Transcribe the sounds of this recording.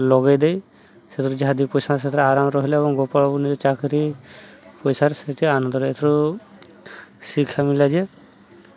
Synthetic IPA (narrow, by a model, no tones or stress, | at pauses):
lɔɡajd̪ej | set̪ʰɔɾud͡ʒaɦad̪ipɔjsaset̪ʰɔɾɔaɾamɾɔɦilaebɔŋɡɔpaɭɔbɔnid͡ʒɔt͡ʃakʰɾi | pɔjsaɾsetianɔnd̪ɔɾɔet̪ʰɔɾu | sikʰamilad͡ʒɛ